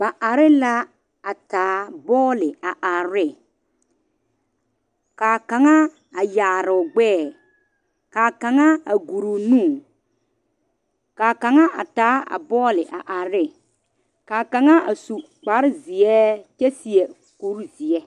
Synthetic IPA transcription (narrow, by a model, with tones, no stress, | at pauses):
ba˨ʔa˨ɾɪ˦la˦ | a˨taː˨˦bɔː˦lɪ˨a˨ʔa˨ɾɪ˦˨ | kaː˨ka˨ŋa˦ | a˨jaː˨ɾʊ˨ɡ͡bɛː˦˨ | kaː˨ka˨ŋa˦a̰˨ɡu˨ɾu˨nũː˦˨ | kaː˨ka˨ŋa˦ʔa˨taː˨˦a̰˨bɔː˦lɪ˨ʔa˨ʔa˨ɾɪ˦ | kaː˨ka˨ŋa˦a̰˨su˨ | k͡pa˨˦ɾɪ˦zi˨ɛ˦t͡ʃɛ˦si˨ɛ˨ | ku˦ɾzi˨ɛ˦